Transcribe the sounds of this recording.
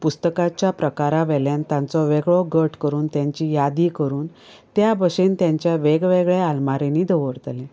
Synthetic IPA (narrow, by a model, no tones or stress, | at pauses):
pust̪əkat͡ɕjapɾəkaɾaʋɛljãnt̪jãnt͡sɔʋeɡɭɔɡəʈkəɾuːnt̪jaɲt͡ɕijad̪ikəɾuːn | t̪jabəʂent̪jaɲt͡ɕjaʋeɡʋeɡɭealmaɾeniːd̪əʋəɽt̪le